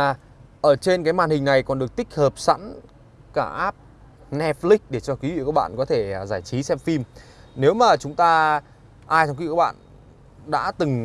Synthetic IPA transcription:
ʔəː˧˩t͡ɕe˧nkaː˨˦jmaː˨˩nhï˨˩ŋ̟na˨˩jkɔ˨˩nɗɨ˨˩ək̚t̪ï˥k̚həː˨˩p̚sa̰˧˥n | kaː˧˩ʔaː˦˥p̚ | nɛ˧˥f̚li˦˥k̚ɗe˧˩t͡ɕɔ˧kwi˨˦w̰ḭ˧˨kaː˦˥k̚ɓa̰ː˧˨nkɔ˨˦t̪ʰe˧˩zaː˧˩jt͡ɕi˨˦sɛ˦˥p̚fi˧mne˨˦wmaː˨˩t͡ɕʊ˨˦ŋ͡mt̪aː˧ | ʔaː˧jt͡ɕa˧ŋ͡mk̚ːɓa̰ː˧˨n | ɗa̰ː˧˥t̪ɨ˨˩ŋ

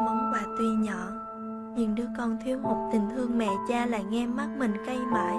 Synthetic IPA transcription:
mɔ˨˦wŋ͡mkwaː˨˩t̪wi˧ɲɔ˧˩˨ | ɲɨ̰˧˩nɗɨ˨˦əkɔ˧nt̪ʰwi˨˦ənho˨˩k͡p̚t̪ï˨˩ŋ̟t̪ʰɨ˧əŋmɛ̰˧˨t͡ɕaː˧la̰ː˧˨jŋɛ˧ma˦˥t̚mï˨˩ŋ̟kə˧jmə̰ː˧˩j

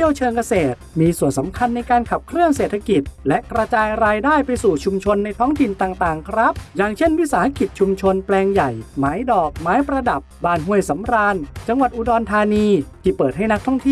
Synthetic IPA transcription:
əwt͡ɕʰɤː˧ŋka˧seː˨˩t̪̚miː˧su˨˩ənsa˩˦mkʰa˧nːa˧jkaː˧nkʰa˨˩p̚kʰɾɯ˥˩əŋseː˨˩t̪ʰa˧ki˨˩t̪̚lɛ˦˥ʔkɾa˧t͡ɕaː˧jɾaː˧jdaː˥˩jpa˧jsuː˨˩t͡ɕʰu˧mt͡ɕʰo˧nːa˧jt̪ʰɔː˦˥ŋt̪ʰi˨˩nt̪aː˨˩ŋt̪aː˨˩ŋkʰɾa˦˥p̚jaː˨˩ŋt͡ɕʰe˥˩nwi˦˥saː˩˦ha˧˥ki˨˩t̪̚t͡ɕʰu˧mt͡ɕʰo˧nplɛː˧ŋja˨˩jmaː˦˥jdɔː˨˩k̚maː˦˥jpɾa˧da˨˩pbaː˧˩nɦu˧˥˩əjsa˩˦mɾaː˧nt͡ɕa˧ŋwa˨˩ʔuː˧dɔː˧nt̪ʰaː˧niː˧t̪ʰiː˧˩pɤː˨˩t̪̚ha˥˩jna˦˥k̚t̪ʰɔ˥˩ŋt̪ʰi˥˩

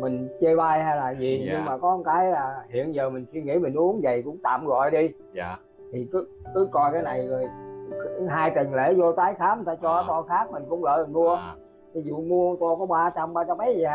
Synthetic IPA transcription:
mï˨˩ŋ̟t͡ɕe˧ɓaː˧jhaː˧jlaː˨˩zi˨˩ɲɨ˧ŋmaː˨˩kɔ˨˦nkaː˨˦jlaː˨˩hḭ˧˨ənzəː˨˩mï˨˩ŋ̟swi˧əŋḭ˧˥mi˨˩ŋ̟ʔu˨˦ənzə˨˩jkʊ̰˧˥ŋ͡mt̪a̰ː˧˨mɣɔ̰˧˨jɗi˧ | t̪ʰi˨˩kɨ˨˦ | kɨ˨˦kɔ˧jkaː˨˦jna˨˩jzo˨˩j | ɦaː˧jt̪i˨˩ŋlḛ˧˥zo˧t̪aː˨˦jxaː˨˦˥m˨˩t̪aː˧t͡ɕɔ˧˨˦t̪ɔ˧xaː˦˥k̚mï˨˩ŋ̟kʊ̰˧˥ŋ͡mlə̰ː˧˨mi˨˩ŋ̟mu˧ə | t̪ʰi˨˦zṵ˧˨mu˧ə˧t̪ɔ˧kɔ˨˦ɓaː˧t͡ɕa˧mɓaː˧t͡ɕa˧mːʔə˨˦jzə˨˩˧

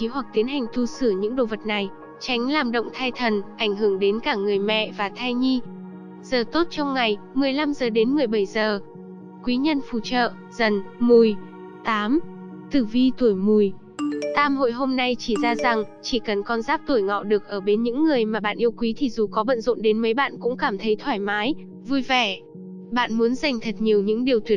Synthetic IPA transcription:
i˨˦ɦwa˨˩k̚t̪i˨˦nɦa˨˩jŋ̟t̪ʰu˧sɨ˧˩əɲɨ̰˧˥ŋɗo̰˧˨və˨˩t̚na˨˩j | t͡ɕa˨˦jŋ̟laː˨˧˩mɗə̰˧˨wŋ͡mt̪ʰaː˧jt̪ʰə˨˩nʔa˧˩jŋ̟ɦɨ˧˩əŋɗe˨˦nkaː˧˩ŋɨ˨˩əjmɛ̰˧˨vaː˨˩t̪ʰaː˧jɲi˧ | z̥əː˨˩t̪o˦˥t̚t͡ɕɔ˧wŋ͡mŋa˨˩jmɨ˨˩əjla˧mzəː˨˩ɗe˨˦nmɨ˨˩əjɓə˧˩jzəː˨˩ | kwi˨˦ɲə˧nfṵ˧˩t͡ɕə̰ː˧˨ | zə˨˩nmu˨˩j | t̪aː˨˦m | t̪ɨ˧˩vi˧t̪u˧˩əjmu˨˩j | t̪aː˧mɦo̰˧˨jɦo˧mna˧jt͡ɕi˧˩zaː˧za˨˩ŋt͡ɕi˧˩kə˨˩nkɔ˧nzaː˦˥p̚t̪u˧˩əjŋɔ̰˧˨ɗɨ˨˩ək̚ʔəː˧˩ɓe˨˦nɲɨ̰˧˥ŋːɨ˨˩əjmaː˨˩ɓa̰ː˧˨ʔi˧əwkwi˨˦t̪ʰi˨˩zu˨˩kɔ˨˦ɓə̰˧˨nzo̰˧˨nɗe˨˦nmə˨˦jɓa̰ː˧˨nkʊ̰˧˥ŋ͡mkaː˧˩mt̪ʰə˨˦jt̪ʰwaː˧˩jmaː˨˦j | vu˧jvɛ˧˩ | ɓa̰ː˧˨nmu˨˦ənza˨˩jŋ̟t̪ʰə˨˩t̚ɲi˨˩əwɲɨ̰˧˥ŋɗi˨˩əwt̪wi˨˩ət̚

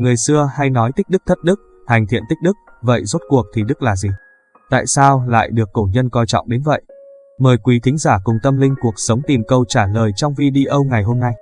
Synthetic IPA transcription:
ŋɨ˨˩əjsɨ˧əha˧jnɔ˨˦jt̪i˦˥k̚ɗɨ˦˥k̚t̪ʰə˦˥t̚ɗɨ˦˥k̚ | ha˨˩jŋ̟t̪ʰḭ˧˨ənt̪k̟̚ɗɨ˦˥k̚ | və̰˧˨jzo˦˥t̚ku˨˩ək̚t̪ʰi˨˩ɗɨ˦˥k̚laː˨˩zi˨˩ | t̪a̰ː˧˨jsaː˧wla̰ː˧˨jɗɨ˨˩əkːo˧˩ɲə˧nkɔ˧jt͡ɕɔ̰˧˨wŋ͡mɗe˨˦nvə̰˧˨j | məː˨˩jkwi˨˦t̪ʰï˨˦ŋ̟zaː˧˩kʊ˧˩ŋ͡mt̪ə˧mlï˧ŋ̟ku˨˩ək̚sə˨˦wŋ͡mt̪i˨˩mkə˧wt͡ɕaː˧˩ləː˨˩jt͡ɕɔ˧wŋ͡mvi˧ɗi˧ʔə˧wŋa˨˩jɦo˧mna˧j

